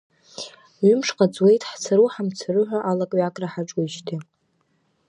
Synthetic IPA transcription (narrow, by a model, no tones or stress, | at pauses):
ɥʏmʂqʼat͡sʼwe̞jtʼħt͡sʰaɾuħamt͡sʰarɨħʷᶣaʔalakʼɥakʼraħaʈ͡ʂʼuʃtʰi